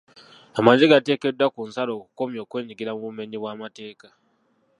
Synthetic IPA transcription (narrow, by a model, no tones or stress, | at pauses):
amaɲziɡate̞ːke̞dːwakunsalo̞ːku̥ko̞mjo̞ːkwe̞ːɲiɡiɾamuβume̞ɲiβwaːmate̞ːka